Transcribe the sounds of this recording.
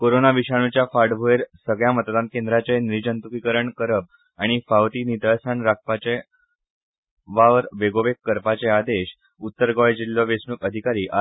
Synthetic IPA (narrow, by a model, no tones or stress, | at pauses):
koɾonaʋiɕaɽ̃ut͡ɕjafaɽbʱoeɾsəɡɭjamət̪d̪ãn̚kend̪ɾat͡senɾid͡ʑənt̪ukikəɾəɳkəɾəb̚ | aɽ̃ifawt̪iːnid̪əsaɳɾak̚pat͡ɕe | ʋaʋəɾʋeɡoʋekːəɾpat͡sead̪eɕ | ut̪ːəɾɡɔjd͡ʑilːoʋesnukəd̪ʱikaɾiːʔa